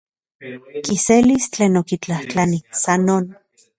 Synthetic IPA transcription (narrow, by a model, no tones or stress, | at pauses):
kiselist͡ɬeːnokit͡ɬaht͡ɬanisanoːn